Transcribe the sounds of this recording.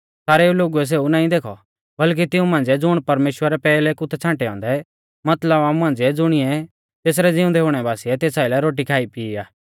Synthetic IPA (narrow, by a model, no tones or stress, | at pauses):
saːɾeuloːɡuɛs̬eːunaːĩd̪eːkʰɔ | bɐlk̬it̪ɪũmãːnd͡zɛd͡zʊɽ̃pɐɾmeːʃwəɾɛpɛːlɛkʊt̪ʰɛt͡sʰãːʈɛɔ̃ːnd̪ɛ | mɐt̪ləbaːmũɦãːn̆d͡zɛd͡zʊɽ̃ɪɛ | t̪eːs̬ɾɛd͡zɪũd̪ɛɦʊːɽ̃ɛbaːsiɛt̪eːsaːilɛɾoːʈ̬ikʰaːipiːaː